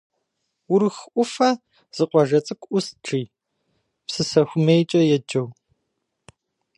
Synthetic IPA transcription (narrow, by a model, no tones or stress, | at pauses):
wʊɾxʔʷʊfɐ | z̥ɨqʷɔʒɐt͡sʼɨkʷʼʔʷʊsʈ͡ʂiː | psɨsɐxʷʊmejt͡ʃʼɐjɛd͡ʒɐw